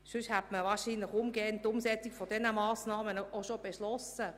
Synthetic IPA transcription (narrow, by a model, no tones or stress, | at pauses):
ʃʏʃhɛtməvaːʃiːnlɪχʊmɡɛːəntːʊmsɛt͡sikfod̥ɛnəmɑːsnɑːmənoʃob̥eʃlɔsə